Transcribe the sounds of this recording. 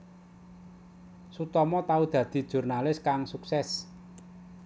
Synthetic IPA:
sut̪ɔmɔt̪aud̪̥ä̤d̪̥i̤d̥ʒ̥ṳrnalɪskaŋsuksɛs

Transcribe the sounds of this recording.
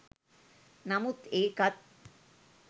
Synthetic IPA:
nɐmut̪eːkɐt̪̚

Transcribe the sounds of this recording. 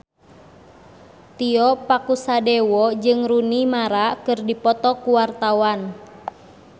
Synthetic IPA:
t̪iɔpakusadɛwɔd͡ʒɨŋɾunimaɾakɨrdipɔt̪ɔkuwart̪awan

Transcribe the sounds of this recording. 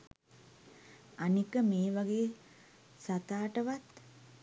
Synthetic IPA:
anikəmeːʋaɡeː | sat̪aːʈəʋat̪

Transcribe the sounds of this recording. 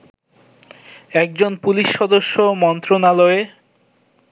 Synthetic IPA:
ɛk̚d͡ʑonpuliʃːɔd̪oʃːomɔnt̪ɾonalɔe

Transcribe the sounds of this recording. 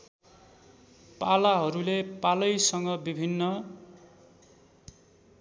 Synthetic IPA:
palaɦʌɾulepalʌjsʌŋɡʌbibʱinːʌ

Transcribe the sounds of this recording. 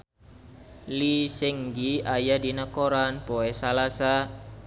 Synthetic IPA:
lisɛŋɡiajadinəkoɾanpoɛsalasa

